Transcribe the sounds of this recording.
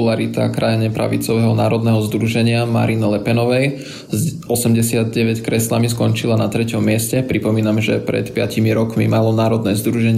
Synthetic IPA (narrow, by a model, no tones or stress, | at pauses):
laɾit̪a̰kɾajɲɛpɾa̰ʋḭt͡sɔʋɛɦɔnaːɾɔd̪nɛɦɔzd̪ɾuʒɛɲɪama̰ɾinilɛpɛnɔʋɛj | z | ɔsɛmɟɛsɪad̪̚ɟɛʋɛckɾɛslamiskɔnt͡ʃilanat̪ɾɛcɔmːɪɛscɛpɾipɔmiːnamʒɛ̰pɾɛ̰t̪pɪacimiɾɔkmḭmalɔnaːɾɔd̪nɛzd̪ɾuʒɛɲ